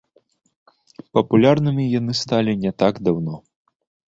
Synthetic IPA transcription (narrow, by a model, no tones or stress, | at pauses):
pɐpulʲarnɨmʲijanɨst̪alʲinʲɛt̪aɡd̪awnɔ